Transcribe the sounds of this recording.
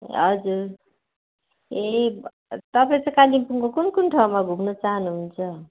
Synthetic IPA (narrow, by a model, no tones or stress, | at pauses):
ɦʌ̰d͡zuɾ | e | t̪ʌp̬aĩt͡sʌ̃kalimpuŋkokunkunʈʰaw̃maɡʱumnʌt͡saɦʌnuɦunt͡sʰʌ